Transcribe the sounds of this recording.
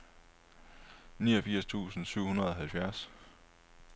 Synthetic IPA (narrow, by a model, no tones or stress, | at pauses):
niːɐfiɐ̰st͡sʰṵːsn̩syʊ̰hunɐð̞ˠɒ̽ɦælfjæɐs